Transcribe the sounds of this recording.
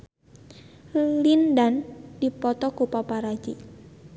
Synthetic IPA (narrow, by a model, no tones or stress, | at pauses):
lindand̥ipɔt̪ɔkupapaɾad͡ʒi